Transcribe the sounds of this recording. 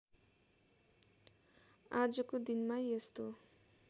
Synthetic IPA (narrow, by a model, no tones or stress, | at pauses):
ad͡zʌkod̪inmajest̪o